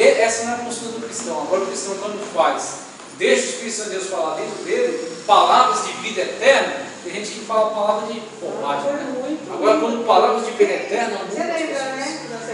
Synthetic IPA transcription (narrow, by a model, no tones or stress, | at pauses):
ɛɛsɐnɐ̃w̃ɛɐpost̪uɾɐd̪ʊkɾist̪ɐ̃w̃aɡɔɾɐʊkɾist̪ɐ̃w̃kwɐ̃d̪ʊfajs | d̪eʃskisɐ̃d̪ewsfalad̪ẽt̪ɾʊd̪elɪpalavɾɐzd͡ʒɪvid̪ɐɛt̪ɛɾnɐẽɐʒẽt͡ʃɪĩkfalapalavɾɐzd͡ʒɪfomaʒɛɦũj̃aɡɔɾɐkwɐ̃nd̪ʊpalavɾɐzd͡ʒɪvid̪ɛt̪ɛɾnɐ̃ɛɾẽɐnɛ̃